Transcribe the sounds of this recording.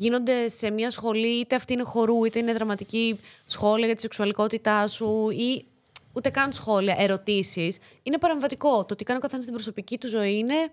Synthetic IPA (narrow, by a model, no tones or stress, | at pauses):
ʝino̞nd̪e̞se̞mɲɐsxo̞liit̪e̞ɐft̪iine̞xo̞ɾuit̪e̞ine̞ðɾɐmɐt̪icisxo̞liɐʝɐt̪i̥se̞ksuɐliko̞t̪it̪ɐsui | ut̪e̞kɐnsxo̞liɐʔe̞ɾo̞t̪isis | ine̞pɐɾe̞ɱvɐt̪iko̞t̪ot̪ikɐno̞kɐθenɐst̪ibɾo̞so̞picit̪uzo̞iine̞